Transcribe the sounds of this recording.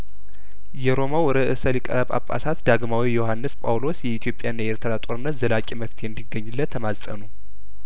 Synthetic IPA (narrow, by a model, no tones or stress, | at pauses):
jɛɾo̞mawɔɾəʔɨsəlikʼə̰βʼa̰pʼːa̰sat̪d̪aɡmawijo̞hanːɨspʼawlo̞sjɛit̪ʰijo̞pʼːjanːajɛɾt̪ʰəɾat̪ʼoɾɨnːət̪zəlakʼiməft̪ʰijɛnd̪iɡːəɲːɨlːət̪ʰːəmazsʼə̰nu